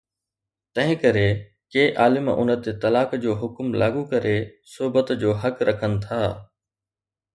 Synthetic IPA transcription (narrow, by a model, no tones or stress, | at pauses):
t̪ɐ̃ɦɪ̃kɐɾe | keːʔaːlɪmʔʊ̰nə̆t̪et̪ɐlaːkd͡ʑoːɦʊkmlaːɡukɐɾesʊɦbət̪d͡ʑoːɦɐkɾʔɐkʰənɪ̆t̪ʰaː